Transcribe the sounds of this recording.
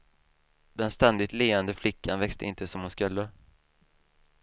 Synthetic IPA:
d̪ɛnst̪ɛnd̪ɪt̪leːɛnd̪əflɪkːanvɛkst̪əɪnt̪əsɔmhʊnskɵlːə

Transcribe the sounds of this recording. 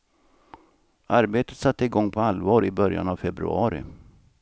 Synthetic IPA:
ʔaɾbeːt̪ə̥t̪sat̪ːəɪɡɔŋːpʰɔalvɑːɾɪbœɾja̰navfɛbɾɵ̰ɑːɾɪ̰

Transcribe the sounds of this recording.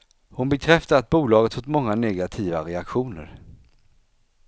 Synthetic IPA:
hʊnbɛkʰɾɛft̪aat̪̚buːlɑːɡət̪fot̪mɔŋːanɛɡat̪ʰiːvaɾɛakɧuːnə̰ɾ

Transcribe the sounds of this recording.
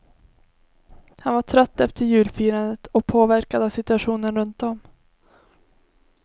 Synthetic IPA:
hanvaʈʰɾœt̪ːɛft̪əɾjʉ̟ːlfiːɾənd̪ət̪ɔk̚pʰoːvæɾkad̪avsɪt̪ɵaɧuːnənɾɵnt̪̚d̪ɔm

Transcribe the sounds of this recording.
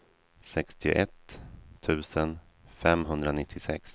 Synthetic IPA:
sɛkst̪ʰɪ̰ʔɛt̪ʰːʉ̟ːsən | fɛmɦɵnd̪ɾanɪt̪ʰːɪsɛ̰ks

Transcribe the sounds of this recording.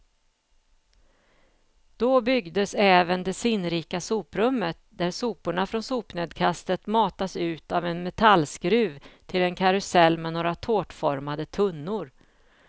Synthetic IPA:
d̪̥ɔbʏɡd̪əsɛːvənd̪ɛsɪnːɾiːkasuːpɾɵmːət̪̚d̪æɾsuːpʊɳafɾɔnsuːpneːd̪kʰast̪ət̪mɑːt̪asʉ̟ːt̪avɛnmɛt̪ʰalskɾʉ̟ːvt̪ʰɪlɛnkʰaɾɵsɛlːmɛnoːɾat̪ʰoːʈfɔɾmad̪ət̪ʰɵnːʊɾ

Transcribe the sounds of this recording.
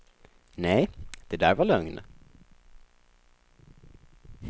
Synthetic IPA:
nɛjd̪̥ɛd̪æːɾvaɭœŋn

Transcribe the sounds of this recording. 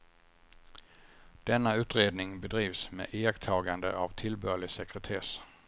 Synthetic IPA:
d̪̥ɛnːaʉ̟ːt̪ɾeːd̪nɪŋbɛd̪ɾiːvsmḛːʔeːɡt̪ʰɑːɡand̪ə̰ʔavt̪ʰɪlbœːɭɪsɛkɾɛt̪ʰeːs

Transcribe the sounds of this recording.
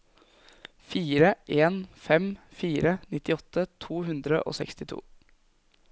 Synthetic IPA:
fiːɾəʔeːnfɛmfiːɾənɪt̪ɪɔt̪ʰːət̪ʰuːɦʉnd̪ɾə̰ʔo̰ːsɛ̰kst̪ɪt̪ʰṵː

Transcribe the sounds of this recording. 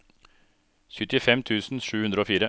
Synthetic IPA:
çʉt̪ɪfɛmt̪ʰʉːsn̩ʃʉːhʉnd̪ɾəoːfiːɾə

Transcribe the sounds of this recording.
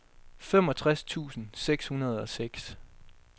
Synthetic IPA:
fem̰ɒ̽t͡sʰʁast͡sʰṵːsn̩seɡ̥shunɐð̞̩ˠɒ̽seɡ̥s

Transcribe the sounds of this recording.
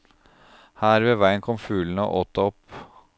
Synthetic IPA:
hæːɾʋeːʋæɪənkʰɔmfʉːln̩əo̰ːʔoːt̪ɔp

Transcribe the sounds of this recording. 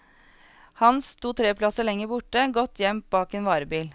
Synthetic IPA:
hɑnst̪ʰuːt̪ʰɾeːpʰlɑsəlɛŋːəbʊʈəɡɔt̪ʰjɛmt̪̚bɑːkeːnʋɑːɾəbiːl

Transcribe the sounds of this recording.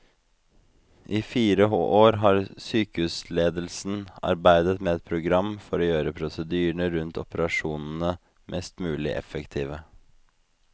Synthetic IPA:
ʔiːfiːɾəoʔoːɾɦɑːɾsyːkəʉːsleːd̪əl̩sn̩ɑ̰ɾbæɪd̪ət̪meːɛt̪̚pʰɾʊɡɾɑmːfɔɾoːjøːɾəpʰɾʊsəd̪yːəɳəɾʉnt̪ʰɔpəɾɑʂuːnn̩ə | mʔɛst̪mʉːlɪ̰ʔɛ̰fəkt̪ʰiːʋə

